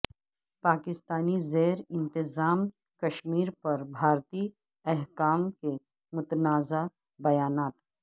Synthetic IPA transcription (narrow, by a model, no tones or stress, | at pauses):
paːkɪst̪aːnizeːɾɪ̃nt̪ɪzaːm | kɐʃmiːɾpɐɾbʱaːɾt̪iː | ɛɦkaːmke | mʊt̪naːza | bɐjaːnaːt̪